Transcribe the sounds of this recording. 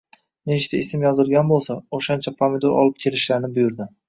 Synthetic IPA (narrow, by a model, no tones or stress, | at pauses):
net͡ʃt̪ʰaesɪmjɒzɪlˠɡʲanbolˠsaoʃant͡ʃʰapʰamed̪oɾʔɒ̰lˠɪp̚kʲʰe̞lɪʃlaɾnɪbʊjʊɾd̪ɪ